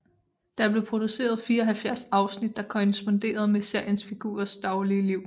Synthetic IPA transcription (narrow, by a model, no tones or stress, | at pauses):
d̥ɑ̈b̥le̝pʰʁo̝d̥use̝̰ːɐð̞̩ˠfiːɐɒɦælfjæɐsɑ̈ʊsnid̥ːɑ̈kʰoʁɛsb̥ond̥e̝̰ːɐðˠmese̝ɐjənsfiɡ̥ṵːɐsd̥ɑ̈ʊliəliʊ̰